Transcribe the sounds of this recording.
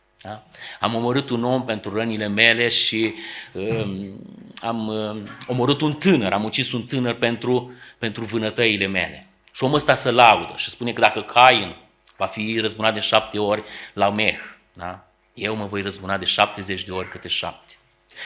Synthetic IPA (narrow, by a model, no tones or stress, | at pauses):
d̪aamo̞məɾɨt̪uno̞mpe̞nt̪ɾurənile̞me̞le̞ʃiə | amo̞məɾɨt̪unt̪ɨnəɾʔamut͡ʃisunt̪ɨnərpe̞nt̪ɾupe̞nt̪ɾuvɨnət̪əile̞me̞̰le̞̰ | ʃioməst̪asəlaud̪əʃispunekəd̪akəkʰajɨn | vafirəzbunat̪d̪enʃap̚t̪e̞o̞rʲlame̞x | d̪a̰ | je̞wməvo̞jrəzbunad̪e̞ʃap̚t̪e̞ze̞t͡ʃd̪e̞o̞rʲkɨt̪ɾeʃa̰p̚t̪e̥